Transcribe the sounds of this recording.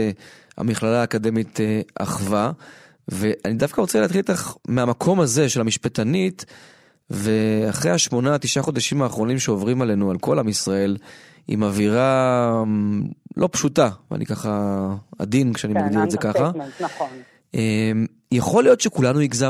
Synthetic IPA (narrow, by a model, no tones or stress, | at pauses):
a̰miχlalaːkad̪e̞mit̪eʔa̰χva | ve̞ʔanid̪afkaʁot͡seleaːt̪χilt̪aχmeamakʰo̞maze̞ʃe̞lamiʃpet̪anit̪ | ve̞aχʁejhaʃmo̞naːt̪iʃaχo̞d̪aʃimaːχʁo̞nimʃeo̞vʁimale̞nualko̞lamisʁae̞l | ḭmaviʁa | lʔo̞pʃutav̰a̰nḭkaχaa̰d̪inkʃeanimaɡd̪iʁezekaχa | em | jaχo̞lijo̞t̪ʃekulanuiɡza